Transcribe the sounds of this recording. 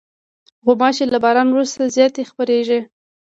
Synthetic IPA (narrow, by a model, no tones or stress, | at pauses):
ɣʊmɑt͡ʃelabɑɾɑnwɾust̪azjɑt̪expəɾeʒe